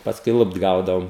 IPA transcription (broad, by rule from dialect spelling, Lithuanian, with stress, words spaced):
pɐsˈkʊɪ ˈlˠʊpt ˈɡɐʊdɐoːm